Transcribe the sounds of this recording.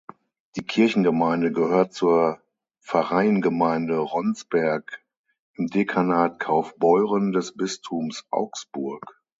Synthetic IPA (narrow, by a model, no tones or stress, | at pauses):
d̥iːkʰɪɐçn̩ɡəmaɪndəɡəhøːɐt̚t͡suːɐ | fɛʁaɪənɡəmaɪndəʁɔnt͡sb̥ɛɐk | ʔɪmdekʰanaːtkʰaʊfb̥ɔʏʁəndɛsb̥ɪstʰumsʔa̰ʊksb̥ʊɐk